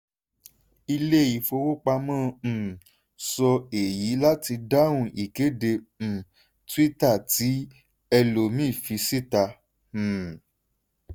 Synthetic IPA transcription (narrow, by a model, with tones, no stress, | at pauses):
i˧le˦˨ji˨˦fo˧wo˦k͡pa˧mãː˦˨ | sɔ˧e˨ji˨˦la˦ti˧da˦wũ˦˨i˨ke˨˦dẽ˧˨ | twi˦ta˦˨ti˨˦ | ɛ˧lo˨mĩː˦˨fi˧si˦tã˧˨